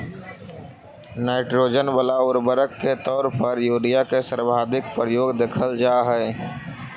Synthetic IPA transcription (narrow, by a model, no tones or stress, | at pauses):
naːɪʈɾoːd͡ʒənbəlaʊɾbəɾəkːet̪ɔːɾpəɾjuːɖijakesəɾbʱaːd̪ɪkpɾəjoːɡd̪eːkʰəld͡ʒaːɦɛː